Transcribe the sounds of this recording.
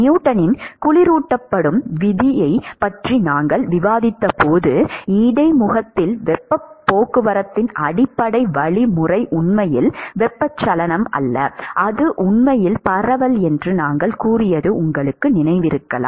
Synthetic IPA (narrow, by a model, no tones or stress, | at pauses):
ɪjuːʈːɐnɪnkʊɭɪɾuːʈːɐpːɐɽɯmʋɪðɪjɐɪpɐʈrinaːŋɡɐɭʋɪʋaːðɪt̪ːɐpoːðɯiɽɐɪmʊɣɐt̪ːɪlʋɛpːɐpːoːkɯʋɐɾɐt̪ːɪnʔɐɽɪpːɐɽɐɪʋɐɭimʊrɐɪʔʊɳmɐjɪ̰lʋɛpːɐt͡ʃːɐlɐnɐmɐ̰lːɐ̰ʔɐðɯʔʊɳmɐjɪlpɐrɐʋɐlɛndrɯnaːŋɡɐɭkuːrɪjɐðɯʔʊŋɡɐɭɯkːɯnɪnɐɪʋɪɾɯkːɐla̰ː